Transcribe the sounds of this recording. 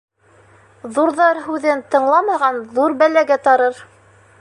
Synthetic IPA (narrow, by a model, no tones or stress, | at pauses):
ðuɾðɑɾɦʉðɘnt̪ɤ̆ɴlˠɑmɑʁɑnðuɾbælæɡæt̪ɑɾɤɾ